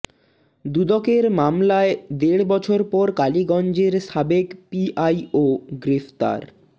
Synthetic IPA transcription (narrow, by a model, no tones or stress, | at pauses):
d̪ud̪ɔkeɾmamlaed̪eɽbɔt͡ɕʰoɾpɔɾkaliɡɔnd͡ʑeɾʃabekpiʔajoɡɾeft̪a̰ɾ